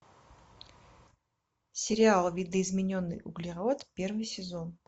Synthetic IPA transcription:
sʲɪɾʲɪalˠvʲid̪əizmʲɪnʲonːɨ̰jʔʊɡlʲiʁaot̪pʲe̞rvɨjsʲɪzo̞n

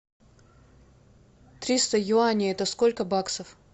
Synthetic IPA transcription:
t̪ɾʲist̪əjʊanʲɪɛt̪əskolʲkəbaksəf

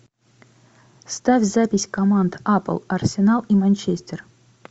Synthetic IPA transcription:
st̪afʲzapʲɪsʲkɐmand̪apə̰lˠɐrsʲɪnalˠimanʲt͡ɕesʲtʲer

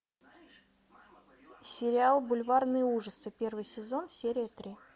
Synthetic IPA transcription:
sʲɪɾʲɪalˠbʊlʲvarnɨjəuʐəsɨpʲe̞rvɨjsʲɪzo̞nsʲeɾʲɪət̪ɾʲi

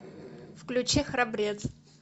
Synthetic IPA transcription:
fklʲʊt͡ɕexɾɐbɾʲet̪s

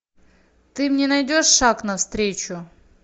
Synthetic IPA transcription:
t̪ɨmnʲenɐjdʲoʂːaknɐfst̪ɾʲet͡ɕʊ

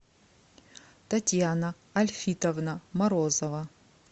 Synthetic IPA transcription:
tɐtʲjanɐː | lʲfʲitɐvnɐmɐɾozovɐ

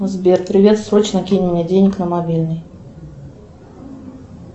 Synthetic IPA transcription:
zʲbʲɛrpɾɨvʲet̪sɾɔt͡ɕnɐkʲinʲɪnʲɛd͡zʲejnʲiknɐmabʲilʲnɨj

